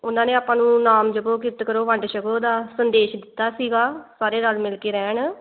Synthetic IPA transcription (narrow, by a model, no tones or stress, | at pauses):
ʊnãːneːaːpãːnũːnaːmd͡ʒəbõːk̬ɪt̪kəɾoːʋəɳɖʃəkoːd̪aːsənd̪eːʃd̪ɪt̪ːaːsiːɡaːsaːɾeːnalmɪlkeːɾɛːɳ